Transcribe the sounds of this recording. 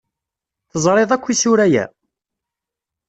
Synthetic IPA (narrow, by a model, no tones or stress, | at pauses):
θəzˤɾˤeðˤækʷːisʊɾæjæ̰